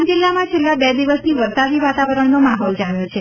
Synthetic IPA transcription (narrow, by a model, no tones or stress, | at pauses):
d͡ʒɪlːamãt͡ʃʰelːabɛd̪iʋəsniʋəɾsaʋiʋat̪aʋəɾəɳnomaɦɔld͡ʒaʋjot͡ʃʰe